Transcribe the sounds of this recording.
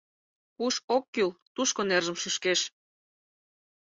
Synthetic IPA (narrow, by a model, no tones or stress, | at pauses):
kuʃokːylt̪uʃkonerʒəmʃɨʃkeʃ